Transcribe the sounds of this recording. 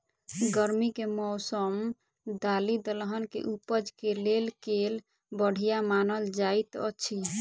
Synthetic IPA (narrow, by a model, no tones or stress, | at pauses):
ɡəɾmikemɔʊsəm | d̪alid̪əlɦənkḛʔupəd͡ʒkelelkel | bəɽ̤ijamanəld͡ʒait̪ə̰t͡ʃʰi